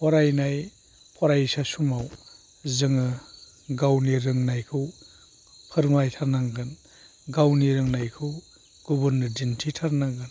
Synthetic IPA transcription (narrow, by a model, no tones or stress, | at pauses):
pʰɔɾajnaj | pʰɔɾajsasumaw | zɯŋɯ | ɡawniɾɯŋnajkʰɯw | pʰɯɾmajtʰaɾnaŋɡɯn | ɡawniɾɯŋnajkʰɯw | ɡ̥ubɯɾnɯdintʰitʰaɾnaŋɡɯn